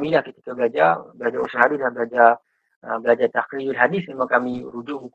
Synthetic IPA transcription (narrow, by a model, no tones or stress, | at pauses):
milahkit̪i̥kabəlad͡ʒabəlad͡ʒausaɦaɾilahbəlad͡ʒa | əbəlad͡ʒat̪akliulɦadɪsmemakamiɾud͡ʒuɦuk